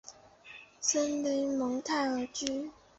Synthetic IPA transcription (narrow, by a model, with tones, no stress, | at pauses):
sə˥nli˧˥mɤ˧˥ŋt̪ʰa˥˩ɪə˨˧˥t͡ɕy˥